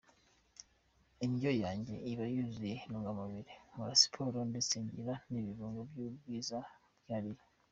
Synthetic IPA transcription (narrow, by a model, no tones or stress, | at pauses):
iɲɟojaːɲɟe̞̰iβajuzinuːŋɡamuβiɾemuɾasi̥pʰoɾondisiːɲɟḭɾaniβiβuːŋɡobjubɡwiːzabjaɾij